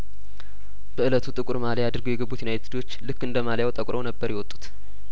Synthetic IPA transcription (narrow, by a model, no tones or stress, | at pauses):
b̥əɨlət̪ʰut̪ʼɨkʼuɾmaljad̪ɨɾɡəjɛɡəbːut̪junajt̪ʰid̪wo̞t͡ʃːlɨkːɨnd̪əmaljawt̪ʼəkʼɾo̞nəbːəɾjɛwɔt̪ʼːu̥t̪